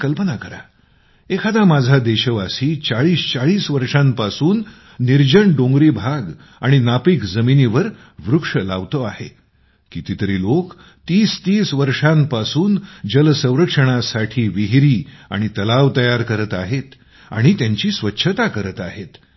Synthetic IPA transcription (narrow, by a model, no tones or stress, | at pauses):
kəlpənakəɾa̰ | ekʰad̪amad͡zʱad̪eɕəʋasiːt͡saɭiːst͡saɭiːsʋəɾʂãmpasuːnː | iɾd͡ʑəɳɖõŋɡɾiːbʱaɡ | aɽ̃inapiːkd͡zəminiʋəɾ | ʋɾukʂəlaʋt̪oahḛ | kit̪it̪əɾiːlok | t̪iːst̪iːsʋəɾʂampasuːnd͡ʑəlsə̃w̃ɾəkʂəɽ̃asaʈʰiːʋiɦiɾiːa̰ɽ̃it̪əlaʋt̪əjaɾkəɾət̪aɦet̪ | a̰ɽ̃it̪jaɲt͡ɕiːsʋətːɕʰət̪akəɾət̪aɦet̪